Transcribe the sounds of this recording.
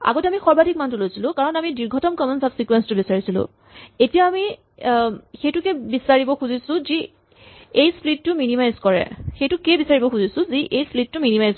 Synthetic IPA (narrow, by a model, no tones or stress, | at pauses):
a̰ɡotɛamixɔɹbatik̚mantʊlojsilʊ̃kaɹɔnamidiɹɡʱɔtɔmkɔmɔnsabsikwɛnstʊbisaɹisilʊ̰̃ | etijaːmi | xejtʊkɛbisaɹibɔxuzisʊ̃zi | ejsplitːʊminimajzkɔɹɛ̰xejtʊkɛbisaɹibɔxuzisʊ̃ziʔejsplitːʊminimajz